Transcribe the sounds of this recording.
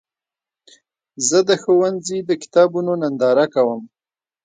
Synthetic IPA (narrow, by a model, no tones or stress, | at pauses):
zəd̪əxowanzid̪əkɪ̥t̪ɑbunonand̪ɑɾakawəm